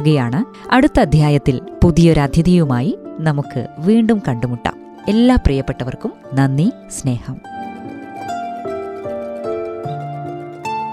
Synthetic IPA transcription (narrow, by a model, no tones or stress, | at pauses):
ɣɐjaːɳɨ | ɐɽut̪ːɐd̪ʱjaːjɐt̪ːilpuðijoɾad̪ʱjɐðijumaːjinɐmukːɨ̰ʋiːɳɖumkɐɳɖumuʈːa̰ːm | e̞lːaːprijɐpːe̞ʈːɐʋɐrkum | nɐnːi | sne̞ːhɐm